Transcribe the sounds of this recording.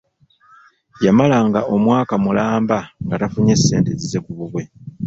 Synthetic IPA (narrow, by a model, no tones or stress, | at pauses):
jamalaŋɡao̞mwaːkamulaːmbaŋɡatafuɲe̞sːe̞ːnte̞zize̞kuβuβwe̞